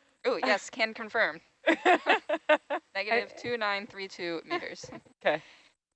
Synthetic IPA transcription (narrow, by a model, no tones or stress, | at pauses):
ujɛskʰæ̃nkʰɨ̃ɱfɜ̃˞m | nɛɡɨɾɪv̥tʰʉnãɪ̃nθɹitʰʉmiɾə̰˞z̥ | keɪ